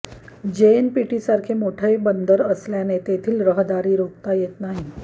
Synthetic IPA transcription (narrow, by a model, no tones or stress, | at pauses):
d͡ʑenpiʈisaɾkʰemoʈʰəjbənd̪əɾəsljanet̪et̪ʰiːlɾəɦd̪aɾiːɾok̚t̪ajet̪naɦi